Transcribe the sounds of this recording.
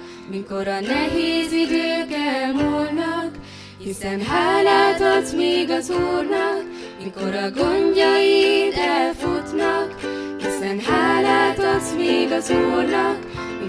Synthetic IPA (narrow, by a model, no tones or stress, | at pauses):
miko̞ɾɒnɛɦeːzid̪øːkɛmolnɒk | hisɛnɦaːlɒt̪ot̪meːɡɒzuːrnɒk | miko̞ɾɒɡoɲɟɒjid̪ɛlfut̪nɒkhisɛnɦaːlat̪ot̪meːɡɒzuːrnɒk | mi